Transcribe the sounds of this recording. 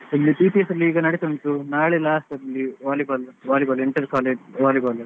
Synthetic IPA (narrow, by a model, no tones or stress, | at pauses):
ɐlːipiːʈiesɐɾɐlːiːɡɐnɐɽit̪ɐɳt̪unaːɭelaːsʈɐɾɐlːiʋaːlibɐlʋaːlibɐleɳʈɐɾkaːleːd͡ʒʋaːlibɐːl